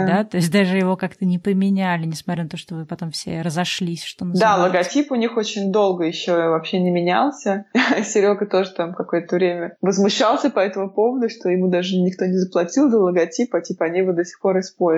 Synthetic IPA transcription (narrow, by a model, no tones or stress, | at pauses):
d̪at̪o̞ɪsʲt̚ʲd̪aʐɨjɪvo̞kakt̪ənʲɪpəmʲɪnʲælʲɪnʲɪsmɐt̪ɾʲanɐt̪oʂt̪ovɨpɐt̪o̞mfsʲḛrəzɐʂlʲisʲʂt̪omd̪alˠəɡɐtʲipʊnʲixo̞t͡ɕɪnʲd̪o̞lˠɡəjɪɕːovɐpɕenʲɪmʲɪnʲa̰lˠsʲəsʲɪɾʲo̞kət̪o̞ʐɨt̪amkɐko̞jət̪əvɾʲemʲəvəzmʊɕːalˠsʲəpɐɛt̪əmʊpo̞vəd̪ʊʂt̪o̞jɪmud̪aʐɨnʲɪk̚t̪o̞nʲɪzəplˠɐtʲilˠd̪əlˠəɡɐtʲipɐtʲipəɐnʲevɨd̪osʲɪ̥xpo̞ɾɪspoɾʲ